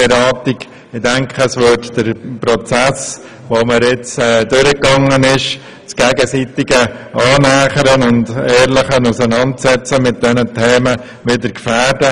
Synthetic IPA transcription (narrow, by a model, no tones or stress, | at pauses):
ɛɾɑːtik | ɪdɛŋkχəsʋʏtd̥əɾpɾot͡sæs | ʋoməɾɪt͡sɛːdʏɾəkːɑŋənɪʃ | t͡sɡ̥ɛːɡəsiːtɪɡəʔɑːnæːχəɾənʊndɛːɾlɪχənusənɑntsɛt͡səmɪt̚d̥ɛnətʰɛːmə | ʋɪdəɾkfæːɾdə